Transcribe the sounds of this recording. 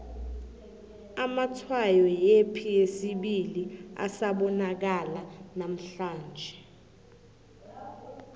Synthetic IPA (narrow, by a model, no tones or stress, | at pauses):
amatʰwajɔjepʰiesiɓilia̰saɓɔnak̬alanam̩ɬaːnd͡ʒʱɛ